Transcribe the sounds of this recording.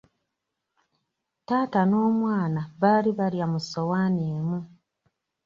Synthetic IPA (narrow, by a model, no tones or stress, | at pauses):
taːtano̞ːmwaːnaβaːliβaljamusowaːneːmu